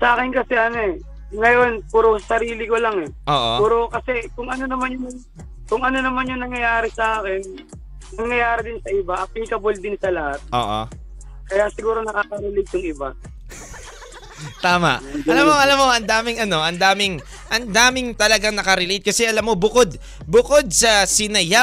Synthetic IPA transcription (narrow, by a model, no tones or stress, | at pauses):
sɐʔaːkɪnkɐsɛʔɐnoɛ | ŋɐjo̞npuːɾosɐɾiːlɪko̞laŋɛʔoːʔopuːɾokɐsɛkʊŋʔɐnonɐmanjʊŋ | kʊŋɐno̞nɐmanjʊŋnɐŋjɐjaːɾɪsɐʔaːkɛnː | ɐŋjɐjaːɾɪd̪ɪnsɐʔɪbaʔɐpɪɪkɐbold̪ɪnsɐlɐhat̪̚ʔo̰ːʔo̰ | kɐjasɪɡuːɾo̞nɐkaːkɐɾɛlejt̪̚jʊŋɪba | t̪aːmɐ̰ʔʔɐlamːoʔɐlamːo̞ʔɐnd̪aːmɪŋʔɐno̞ʔɐnd̪aːmɪŋ | ʔɐnd̪aːmɪŋt̪ɐlɐɡaŋnɐkɐɾɪlejt̪̚kɐsɛʔɐlamːo̞bʊko̞d̪̚ | bʊko̞d̪̚sɐsɪnɐja